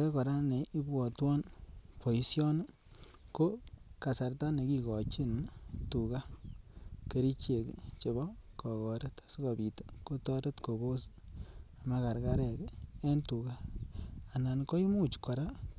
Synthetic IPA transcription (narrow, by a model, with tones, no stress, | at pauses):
ake˦kɔ˨ɾa˦ne˨ʔi˦bɔ˨twɔ˦npo˨i˨sjɔ˦n˦ | ko˦ka˨sa˨rta˦ne˨ki˧kɔ˨t͡ʃi˦ntu˨ka˦ | ke˦ɾi˦t͡ʃe˨kt͡ʃe˨bɔ˦kɔ˨kɔ˨ɾe˦tḁ˨si˦kɔ˨bi˨te̥˦ko˦tɔ˦ɾe˦tko˨bo˦s | a˨ma˧ka˨ɾka˦ɾɛ˨ke˦ntu˨ka˦ | a˨na˨nko˦i˦mu˦t͡ʃkɔ˨ɾa˦